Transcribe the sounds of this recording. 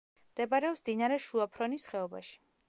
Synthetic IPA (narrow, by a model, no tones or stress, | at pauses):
md̪̥ɛbaɾɛɔpsd̪inaɾɛʃuapʰɾɔnisχɛɔba̰ʃi̥